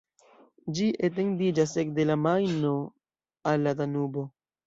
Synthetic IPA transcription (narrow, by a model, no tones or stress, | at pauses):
d͡ʒiʔet̬e̞ndid͡ʒas̬ek̚de̞lamajno | alːatanubo̞